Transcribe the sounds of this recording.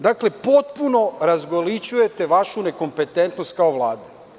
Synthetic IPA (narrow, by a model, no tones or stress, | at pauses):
d̪akle̞po̞t̪puno̞ɾazɡolit͡ɕuje̞t̪e̞ʋaʃune̞ko̞mpe̞t̪ent̪nost̪̚kaoʋlˠaːd̪e